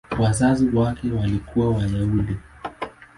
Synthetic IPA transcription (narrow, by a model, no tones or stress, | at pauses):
wazaziwakɛwalikuwawaʄauɗi